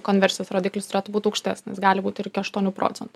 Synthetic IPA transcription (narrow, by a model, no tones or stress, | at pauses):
koːnʲʋʲɛɾʲsʲɪjoːsɾoːd̪ʲiklʲʊst̪ɾʲɛt̪buːt̪ʊɐʊkʃʲt̪ʲɛsʲnʲɪsɡɑːlʲɪbuːt̪ɪɪɾɪkʲɪɐʃt̪uɔnʲuːpɾo̰ːt̪sʲɛnt̪ʊ